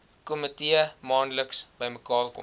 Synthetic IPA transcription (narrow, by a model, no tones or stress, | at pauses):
komətiəmɑːnləksb̥əjməkɑːrkɔ̰m